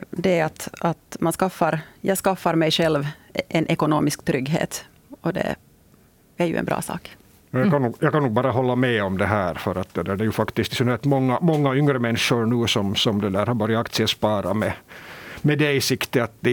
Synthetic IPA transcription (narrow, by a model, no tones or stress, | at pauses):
d̪ɛat̪at̪manskɑfːɑɾjʔɑːɡskɑfːɑɾmɛjʂɛlvʔɛnʔɛkʊnoːmɪskt̪ʰɾʏɡːɦḛːt̪ | ɔd̪ɛ̰ | æɾjʉ̰ʔɛ̰nbɾɑ̰ːsɑ̰ːk | ɛjɑːkʰanːuːɡjɑːɡkanːuːɡbɑːɾaɦɔlːamɛɔmd̪ɛɦæːɾfœɾat̪̚d̪ɛd̪æɖɛjʉfakt̪ɪskt̪sɔnɛlt̪mɔŋːamɔŋːaʏŋɾəmɛnːʂʊɾnʉːsɔmsɔmd̪ɛd̪æːɾhɑɾvɑːɾɪakt̪sɪəspɑːɾamɛ | mɛd̪ɛɪsɪkt̪əat̪̚d̪ɛ